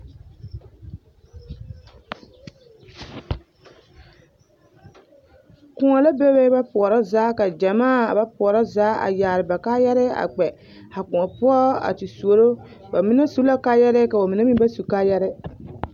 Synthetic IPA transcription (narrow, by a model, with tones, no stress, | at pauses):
kʊ˨ŋɔ˨la˦bɛ˦bɛ˦ba˦pʊ˨ɔ˨ɾa˦zaː˨˦ka˨d͡ʒa˨maː˦˨a˨ba˦pʊ˨ɔ˨ɾa˦zaː˨˦a̰˨jaː˨ɾɪ˨ba˨kaː˦jɛ˦ɾɪ˦a̰˨k͡pɛ˨ | ha˨kʊ˨ɔ˨pʊ˦ɔ˦a̰˨tɪ˨su˨o˨ɾo˦ | ba˨mɪ˦na˦su˦la˦kaː˦jɛ˦ɾɪ˦ka˨ba˨mɪ˨na˦mi˦ba˦su˨kaː˦jɛ˦ɾɪ˦